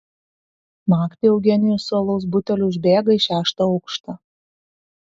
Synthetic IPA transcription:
mɑːkt̪ʲɪɛʊɡʲɛnʲɪjʊsuɔlˠɔʊs̬bʊt̪ʲɛlʲʊʊʒʲbʲeːɡɐɪʃʲæːʃt̪ɐɒʊkʃt̪ɐ

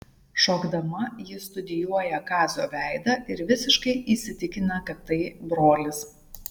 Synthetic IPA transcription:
ʃoːɡd̪ɐmɐjɪst̪ʊd̪ʲɪjuɔjɛkɑːzʲoːʋʲæˑɪd̪ɐʔɪɾʋʲɪsʲɪʃkɐɪʔiːsʲɪt̪ʲɪkʲɪnɐkɐt̪ːɐɪbɾoːlʲɪs

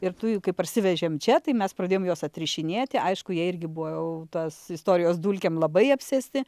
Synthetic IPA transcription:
ɪrt̪ujukɐɪpɐrʲsʲɪʋʲɛʒʲeːmt͡ʃʲɛt̪ɐɪmʲɛspɾɐdʲeːjomjoːsɐt̪ʲɾʲɪʃʲɪnʲeːt̪ʲɪʔɐɪʃkʊjiɛɪrʲɡʲɪbʊʋoːjɛʊt̪ɐsɪst̪oːɾʲɪjoːsd̪uːlʲkʲemlˠɐbɐɪɐpʲsʲɛsʲt̪ʲɪ

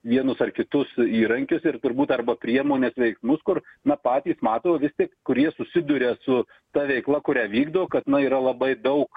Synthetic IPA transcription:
ʋʲiɛnʊsɐrkʲɪt̪ʊsiːɾɐŋʲkʲʊsɪrt̪ʊɾbuːt̪ɐrbɐpʲɾʲiɛmoːnʲeːsʋʲɛɪksmʊskʊrnɐpɑːt̪ʲiːsmɑːt̪oːoʋʲɪst̪ʲiɛkkʊɾʲiɛsʊsʲɪd̪ʊɾʲesʊ | t̪ɐʋʲɛɪklˠɐkʊɾʲæːʋʲiːɡd̪ɐʋoːkɐt̪nɐiːɾɐlˠɐbɐɪd̪ɐʊk

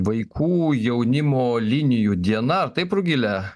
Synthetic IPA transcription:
ʋɐɪkʰuːjɛʊnʲɪmoːlʲɪnʲɪjud̪ʲiɛnɐɐɾt̪ɐɪpɾʊɡʲɪlʲɛ

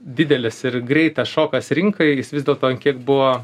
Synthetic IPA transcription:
d̪ʲɪd̪ʲɛlʲɛsɪrɡɾʲɛɪt̪ɐsʃoːkɐsɾʲɪŋkɐɪjɪsʋʲɪzd̪ʲɛlˠt̪oːɐnkʲiɛk̚bʊʋoː

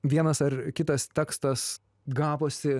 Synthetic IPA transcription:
ʋʲiɛnɐsɐrkʲɪt̪ɐst̪ʲɛkst̪ɐs | ɡɑːpoːsʲɪ

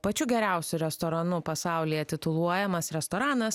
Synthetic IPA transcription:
pɐt͡ʃʲʊɡʲɛɾʲæˑʊsʲʊɾʲɛst̪oɾɐnʊpɐsɑˑʊlʲiːjɛt̪ʲɪt̪ʊlˠuɔjɛmɐsɾʲɛst̪oːɾɑːnɐs

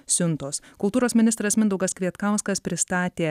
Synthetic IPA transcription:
sʲʊnˑt̪oːskʊlˠt̪uːɾoːsmʲɪnʲɪst̪ɾɐsmʲɪnd̪ɐʊɡɐskɾʲiɛt̪kɑʊskɐspʲɾʲɪst̪ɑːt̪ʲeː

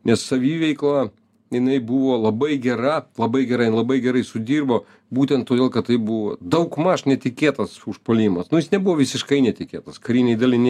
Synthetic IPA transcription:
nʲɛssɐʋʲiːʋʲɛɪklˠɐ | jɪnɐɪbuʋoːlˠɐbɐɪɡʲɛɾɐlˠɐbɐɪɡʲɛɾɐɪnlˠɐbɐɪɡʲɛɾɐɪsʊd̪ʲiːrboː | buːt̪ʲɛnt̪̚t̪ːoːd̪ʲeːlˠkɐt̪̚t̪ɐɪbuʋo̰ːd̪ɐʊkmɐʃnʲɛt̪ʲɪkʲeːt̪ɐsʊʃpoːlʲiːmɐsnʊjɪsnʲɛbuʋoːʋʲɪsʲɪʃkɐɪnʲɛt̪ʲɪkʲeːt̪ɐskɐɾʲiːnʲɛɪd̪ɐlʲɪnʲ

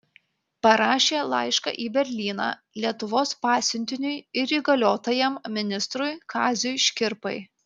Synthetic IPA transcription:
pɐɾɑːʃʲeːlˠɐ̰ɪʃkɑ̰ːʔiːbʲɛɾʲlʲiːnɑ̰ː | lʲiɛt̪ʊʋoːspɑːsʲʊnʲt̪ʲɪnʲʊɪɪɾiːɡɐlʲoːt̪ojɛmmʲɪnʲɪst̪ɾʊɪkɑːzʲʊjʃʲkʲɪɾpɐ̰ɪ

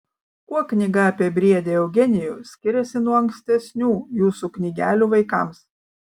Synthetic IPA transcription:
kuɔknʲɪɡɐɑːpʲiɛbʲɾʲiɛd̪ʲeːɛʊɡʲɛnʲɪjuːsʲkʲɪɾʲɛsʲɪnuɔɐŋksʲt̪ʲɛsʲnʲuːjuːsuːknʲɪɡʲæːlʲuːʋɐɪkɐˑms

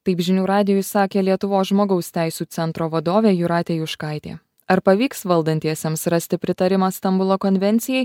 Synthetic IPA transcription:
t̪ɐɪpʒʲɪnʲuːɾɑːd̪ʲɪjʊsɑːkʲeːlʲiɛt̪ʊʋoːsʒmoːɡɐʊsʲt̪ʲæɪsʲuːt̪sʲɛnt̪ɾoːʋɐd̪oːʋʲeːjuɾɑːt̪ʲejuʃkɑˑɪt̪ʲḛː | ɐɾpɐʋʲiːksʋɐlˠd̪ɐnʲt̪ʲiɛsʲɛmsɾɐsʲt̪ʲɪpʲɾʲɪt̪ɐɾʲɪmɑːst̪ɐmbʊlˠoːkɔnʲʋʲɛnʲt̪sʲɪjɛɪ

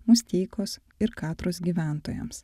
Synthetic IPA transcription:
mʊsʲt̪ʲɛɪkoːs | ɪɾkɑːt̪ɾoːsɡʲiːʋʲæˑnt̪oːjɛ̰ms

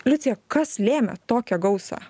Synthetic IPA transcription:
lʲʊt̪sʲɪjɛkɐslʲeːmʲɛ̰t̪oːkʲɛɡɒʊsɑ̰ː

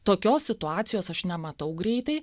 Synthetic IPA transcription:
t̪oːkʲoːssʲɪt̪ʊɑːt̪sʲɪjoːsɐʃnʲɛmɐt̪ɐʊɡɾʲɛɪt̪ɐɪ

